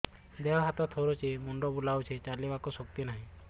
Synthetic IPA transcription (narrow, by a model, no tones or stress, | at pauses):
d̪eaɦat̪ɔt̪ʰoɾot͡ʃemɔɳɖɔbulawt͡ʃʰet͡ʃalibakɔsɔk̚t̪inaɦĩ